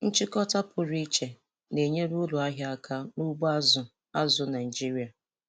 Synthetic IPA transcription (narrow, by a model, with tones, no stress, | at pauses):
n̩˦t͡ʃɪ˦kɔ˦ta˦pʊ˨ɾi˦t͡ʃe˨ | ne˨ɲe˦ɾu˦lʊ˨a˦ɦja˦a˦kʰa˦nu˦ɡ͡ba˦zʊ˨ | a˦zʊ˦na˨i˨d͡ʒi˦ɾi˨a˨